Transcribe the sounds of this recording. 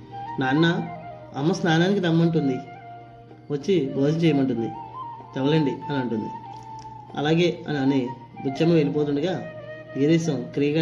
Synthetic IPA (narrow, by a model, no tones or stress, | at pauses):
naːnːɐ | ɐmːɐsnaːnaːnikid̪ɐmːɐɳʈund̪i | ʋɐt͡ʃːiboːd͡ʒɐnt͡ʃɛːjɐmɐɳʈund̪it̪ɛʋɐlɐɳɖiɐniɐɳʈund̪ḭ | ɐ̰laːɡe̞ːɐ̰niɐni | bud͡ʒɐmɐʋelip̬oːt̪̬uɳɖuɡaː | iːɾiːsɐmkɾijɐɡɐ